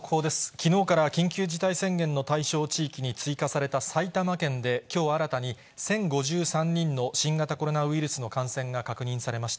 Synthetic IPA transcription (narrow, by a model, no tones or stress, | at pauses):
kʰoːd̪e̞sɨ̥kʲino̞ːkaɾakʲĩŋkʲɨːd͡ʑit̪aisẽ̞ŋɡẽ̞nːo̞t̪aiɕo̞ːt͡ɕiːkʲiɲ̟it͡sɨikasaɾe̞t̪asait̪amakẽ̞nd̪e̞kʲo̞ːβaɾat̪aɲ̟i | sẽ̞ŋɡo̞ʑɨːsãɲ̟ːĩnːo̞ɕĩŋɡat̪ako̞ɾo̞naɯ̟iɾɯ̟sɨno̞kãɰ̃sẽ̞ŋɡakakɯ̟ɲ̟ĩɰ̃saɾe̞maɕi̥t̪a